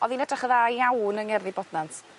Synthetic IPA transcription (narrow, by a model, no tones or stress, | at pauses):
ɔðinɛdaχəðajawnəŋɛrðibɔdnant